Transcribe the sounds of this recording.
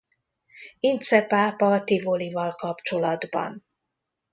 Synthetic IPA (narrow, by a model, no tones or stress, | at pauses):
int̪sɛpaːpɒt̪ivolivɒlkɒpt͡ʃo̞lɒd̪bɒ̰n